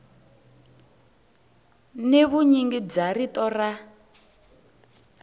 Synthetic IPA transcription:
neβuɲiŋɡib͡ʐaritɔra

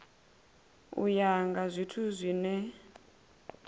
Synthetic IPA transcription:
ṵjaŋɡazʷitʰuzʷinɛ

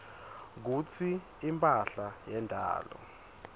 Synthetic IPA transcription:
k̬ut͡sʰiː | mpʼaɬajɛndʱa̰ːlɔ̰

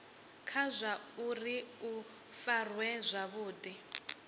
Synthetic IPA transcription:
kʰazʷauriu | farwɛzʷaβuːdi

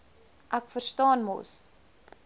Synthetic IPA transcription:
ʔækfərstɑːnmo̰s

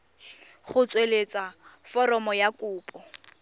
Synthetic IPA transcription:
χʊt͡sʼwelet͡sʼafɔrɔmɔjakʼʊːpʼɔ

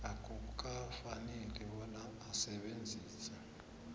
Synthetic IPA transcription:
akʰʼuɓk̬ʼafanɛlɛɓɔnaːsɛɓend͡zʱiːsa

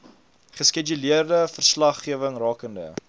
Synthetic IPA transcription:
χəsked͡ʒuliərdəfərslɐχːiəvəŋrɑːkəndə̰

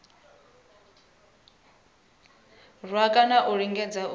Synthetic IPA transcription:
rwakʼanaʔuɺiŋɡɛd͡zau

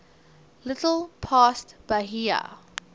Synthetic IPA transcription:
lɪtəl̩ˠpʰastb̥aɦia̰

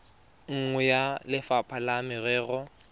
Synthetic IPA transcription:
ŋ̩ŋwɛjalɪfapʼʰalamɪrɛːɣʊ

